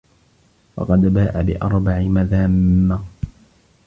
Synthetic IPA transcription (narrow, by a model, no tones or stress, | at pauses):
wɑ̰qɑd̪baːʔabɪʔɑɾˤbaʕɪmaðaːmːa